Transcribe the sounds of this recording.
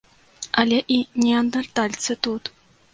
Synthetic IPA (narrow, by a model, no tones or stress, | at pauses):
ɐlʲɛʔinʲɛɐnd̪ɐrt̪alʲt̪sɨt̪ut̪